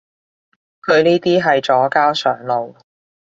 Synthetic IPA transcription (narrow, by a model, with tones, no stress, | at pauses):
kʰɵ˨˧ɥniː˥t̪iː˥ɦɐ˨jt͡ʃɔː˨˥kaː˥wsœː˨˩ŋlo˨w